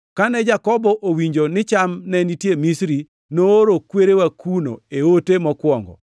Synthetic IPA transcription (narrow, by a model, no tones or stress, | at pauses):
kanɛd͡ʒakɔbɔʔowiɲd͡ʒonɪt͡ʃamnɛnitjemisɾi | nooɾokweɾewakuno̰eotemɔkwɔŋɡɔ̰